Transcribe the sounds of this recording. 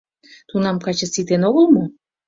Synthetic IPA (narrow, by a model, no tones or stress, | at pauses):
t̪unɑmkɑt͡ɕəsit̪enoɣəlmo